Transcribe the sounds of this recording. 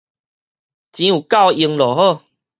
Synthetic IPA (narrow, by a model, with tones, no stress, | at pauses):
t͡ɕĩ˧˦u˨˩ka˥˧ʊwi˧ŋlɔ˨˩ɦo˥˧˨